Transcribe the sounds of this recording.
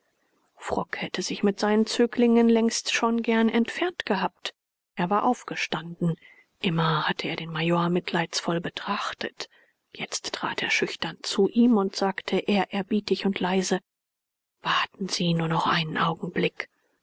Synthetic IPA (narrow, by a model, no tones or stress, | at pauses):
fʁ̥ɔkhɛtəzɪçmɪtz̥aɪnənt͡syːklɪŋənlɛŋstʃoːnɡɛɐnʔɛntfɛɐntɡ̥əhaːp̚t | ʔeːɐvaːɐʔaʊfɡ̥əʃtandn̩ | ʔɪmɐhatʰəeːɐɾeːnmajoːɐmɪtlaɪtsfɔlbətʁ̥aχtʰə̰t | jɛt͡stːʁ̥a̰ːtḛːɐʃʏçtɐnt͡suʔiːmʊntz̥aːktʰəʔeːɐʔɛɐbiːtɪçʊntlaɪzə | v̥aɐtn̩z̥iːnuːɐnɔχʔa̰ɪnənʔaʊɡŋ̩blɪk